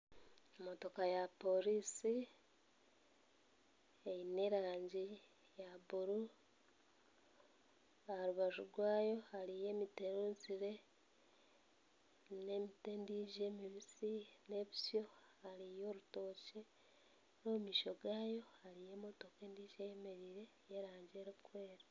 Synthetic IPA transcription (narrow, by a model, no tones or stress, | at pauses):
omoto̞kajapo̞ɾiːsi | ine̞ɾaːɲɟi | jaβuɾu | ahɾuβaʒuɡwaːjo̞alije̞ːmiteɾuːnziɾe̞ | ne̞mitendiːʒe̞ːmiβisine̞βisjo̞ | alijoːɾuto̞ːce | nomiːʃoɡaːjo̞haɾije̞ːmoto̞keːndiːʒejeme̞ɾiːɾe̞ | jeɾaːɲɟeɾukwe̞ːɾa